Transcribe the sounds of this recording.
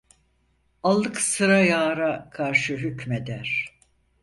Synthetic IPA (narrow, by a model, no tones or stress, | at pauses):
alˠːɯksɯɾajaːɾakʰaɾʃɯɦycmed̪æɾ̥